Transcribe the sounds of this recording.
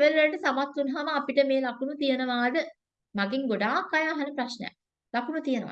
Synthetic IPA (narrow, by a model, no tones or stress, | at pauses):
ʋellɐʈəsamat̪ːunɦaʋaːpiʈəmeːlakunut̪ijənəʋaːd̪ə | maɡeŋɡoɖaːkːajaːɦɐnəpɾaʃnəja̰ | lakunut̪ijənə̰ʋa̰